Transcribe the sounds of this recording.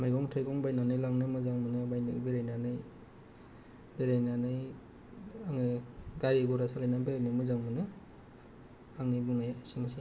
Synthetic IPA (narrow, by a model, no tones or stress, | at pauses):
maɾɡɔŋtʰajɡɔŋbajnanɯjlaŋnɯmɯzaŋmɯnɯbajnɯ̰beɾajnanɯj | beɾajnanɯj | aŋɯɡaɾiɡɔɾasalajnabeɾajnɯmɯzaŋmɯnɯ | aŋnibuŋnajasɯŋsi